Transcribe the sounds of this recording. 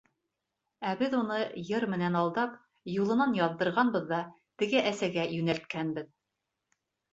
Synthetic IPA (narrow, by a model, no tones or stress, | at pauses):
æbɘðunɤjɤɾmɘ̆nænɑlˠd̪ɑp | julˠɤ̆nɑnjɑðːɤ̆ɾʁɑnbɤ̆ðːɑ | t̪ɘ̆ɡɘʔæsæɡæjɵ̆nælt̪̚kænbɘð